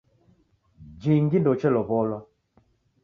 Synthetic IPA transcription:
d͡ʒiŋɡindɔt͡ʃɛlɔβɔlwa

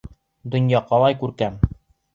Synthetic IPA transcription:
d̪ŏnjɑqɑlˠɑjkʉɾkæm

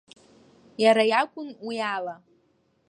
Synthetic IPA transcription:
jaɾajakʷʼʊnwijala

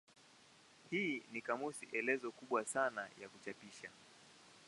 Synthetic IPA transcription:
hiːnikamusiʔɛlɛzɔkuɓwasanajakut͡ʃapiʃa

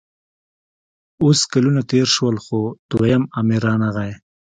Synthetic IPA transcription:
oskalunat̪eɾʃwəlxod̪̥wajamamiɾɑːnaɣaj

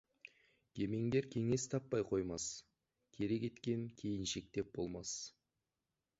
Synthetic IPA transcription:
kʲʰe̞me̞ŋɡʲe̞ɾkʲʰe̞ŋe̞st̪ʰɑpːɑjqʰo̞jmɑs | kʲʰe̞ɾe̞kʲe̞t̪kʲe̞ŋkʲʰe̞jɪnʃe̞k̚t̪e̞p̚b̥o̞lˠmɑs

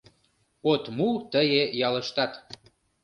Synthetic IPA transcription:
ot̪mut̪əjejɑlə̆ʃt̪ɑt̪

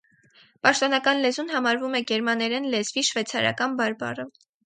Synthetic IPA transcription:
pɑʃt̪ɔnɑkɑnlɛzunɦɑmɑɾvumɛɡɛɾmɑnɛɾɛnlɛzviʃvɛt͡sʰɑɾɑ̰kɑnbɑɾbɑ̰rə

